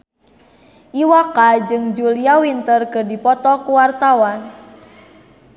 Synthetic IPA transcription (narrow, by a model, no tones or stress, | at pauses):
ʔiwakad͡ʒɨŋd͡ʒuliawint̪ərkɨrdipɔt̪ɔkuwart̪awan